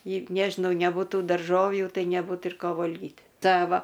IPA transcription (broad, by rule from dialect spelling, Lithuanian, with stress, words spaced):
ɪ ˈnʲæːʒʲɪnɐʊ nʲɛbʊˈtuː dɐrˈʒoːwjuː ˈtɐɪ nʲɛˈbuːt ɪr ˈkoː ˈʋoːlʲɡʲɪtʲ ˈtʲɛ ˈʋɐ